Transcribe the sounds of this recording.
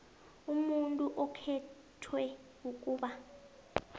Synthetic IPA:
umuntʼuʔɔkʰɛ | tʰwɛ | uk̬ʼuːɓa

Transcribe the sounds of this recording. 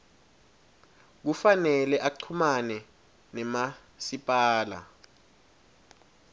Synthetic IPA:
k̬ufanɛlɛʔaǀʰumanɛ | nɛma | sipʼaːla̰

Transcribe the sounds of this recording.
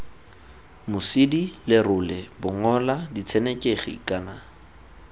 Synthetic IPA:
mʊsɪdilɪrʊlɛbʊŋɔladit͡sʰɛnekʼeχiḭkʼaːna

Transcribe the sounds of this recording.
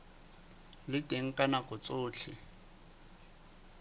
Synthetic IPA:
lɪtʼeŋ̩kʼanakʼʊt͡sʼʊːt͡ɬʰɪ

